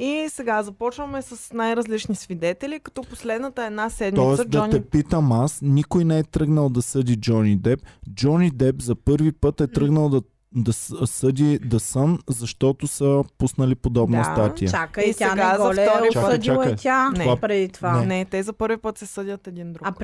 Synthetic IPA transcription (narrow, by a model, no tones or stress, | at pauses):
isɛɡazɐpɔt͡ʃvəmɛsɐsnajɾɐzlit͡ʃnisvid̪ɛt̪ɛlikɐ̥t̪ɔposlɛd̪nət̪əɛd̪nasɛd̪mɔɛsdd͡ʒ̪ɐɔnɛpit̪əmasnikʊjnɛɛt̪ɾɤɡnəlˠd̪ɐsɤd̪ʲid͡ʒɔnid̪ɛp̚d͡ʒɔnid̪ɛbzɐpɤɾvipɤt̪ɛt̪ɾɤɡnəlˠd̪ | d̪ɐsɤd̪ʲid̪ɐsəmzɐʃt̪ɔt̪ʊsəpusnɐlipod̪ɔbnəsat̪ijɐakisaɛnɡazɐlft̪ɔɾit͡ʃat͡ʃat̪ʲanɛapɾɛd̪it̪vaɛnɛt̪ɛzɐpɤɾvipɤt̪sɛsɤd̪ʲət̪ɛd̪ind̪ɾu